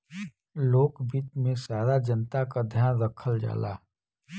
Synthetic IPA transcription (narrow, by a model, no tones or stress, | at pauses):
loːkbit̪mẽsaːɾad͡ʒənt̪akad̪ʱjaːnɾəkʰəld͡ʒa̰ːla̰ː